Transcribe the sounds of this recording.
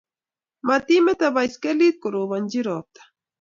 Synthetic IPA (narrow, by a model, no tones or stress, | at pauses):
mat̪imet̪aβajskelit̪̚kʊɾoβand͡ʒiɾoːp̚t̪ḁ